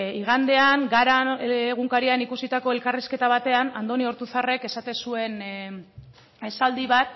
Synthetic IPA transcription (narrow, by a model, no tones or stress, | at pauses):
iɣ̞and̪e̞aŋɡaɾaɣ̞uŋkaɾianikusit̪ako̞e̞lkariske̞t̪aβ̞at̪e̞anand̪o̞nio̞ɾt̪uθare̞ke̞sat̪e̞sue̞n | e̞sald̪iβat̪̚